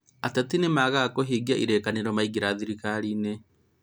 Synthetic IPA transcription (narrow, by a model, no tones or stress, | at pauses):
atatinemaɣakoɦeɡiaʔiɾekaneɾɔmaiɡiɾaðiɾikaɾine